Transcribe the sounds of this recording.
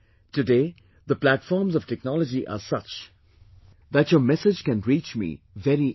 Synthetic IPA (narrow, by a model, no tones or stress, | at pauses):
tɨdeː | ðəplætfɔːɹmzɔv̥tɛk̚nɔləd͡ʒiʔa̰sʌt͡ʃ | ðætjəmɛsɪd͡ʒkæ̃nɹit͡ʃmḭ | vɛɾi